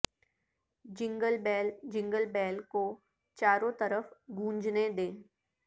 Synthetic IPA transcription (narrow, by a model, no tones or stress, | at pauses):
d͡ʒɪ̃ŋɡəlbɛːld͡ʒɪ̃ŋɡəlbɛːlko | t͡ʃaːɾõt̪əɾəfɡũːɲd͡ʒned̪ẽː